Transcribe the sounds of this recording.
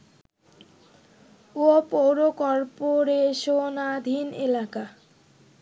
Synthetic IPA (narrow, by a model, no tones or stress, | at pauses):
opowɾokɔɾpoɾeʃonad̪ʱinelaka